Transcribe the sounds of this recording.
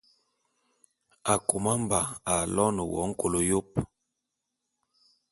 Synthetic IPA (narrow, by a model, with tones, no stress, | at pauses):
a˨ko˨ma˦m˦ba˨a˨lɔ˦nə˨wɔ̰˨˦ŋ̩˦ko˨lo˨jo˦p̚